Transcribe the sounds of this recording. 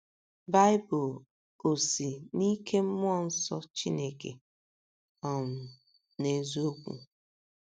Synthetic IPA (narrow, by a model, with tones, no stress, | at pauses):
ba˦ɪ˦bʊ˨ | o˨si˨ni˦kʰe˦m̩˦m˦ɔ˦˨n̩˦sɔ˦t͡ʃi˦ne˦kḛ˨ | ɔ˨m̩˨ | ne˨zo˦kʷṵ˨